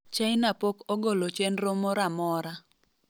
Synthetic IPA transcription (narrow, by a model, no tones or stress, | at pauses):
t͡ʃaɪnapokɔɡolot͡ʃɛnɾomɔɾamɔɾa